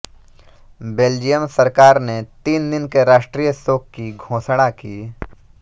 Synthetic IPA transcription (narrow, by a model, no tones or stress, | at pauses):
beːld͡ʒijəmsəɾkaːɾnet̪iːnd̪ɪnkeɾaːʃʈɾiːjəsoːkkːiɡʱõːsɽ̃akiː